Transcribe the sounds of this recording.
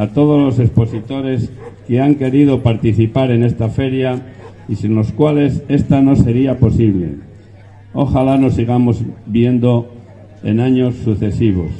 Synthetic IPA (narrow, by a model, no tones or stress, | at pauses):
at̪o̞ð̞o̞zlo̞se̞spo̞sit̪o̞ɾe̞ske̞aŋke̞ɾið̞o̞paɾt̪iθipaɾe̞ne̞st̪afe̞ɾja | isinlo̞skwale̞se̞st̪ano̞se̞ɾiapo̞siβle̞̰ | oxalano̞siɣ̞amo̞zbje̞nd̪o̞ | ḛnaɲo̞sːuθe̞siβ̞o̞̰s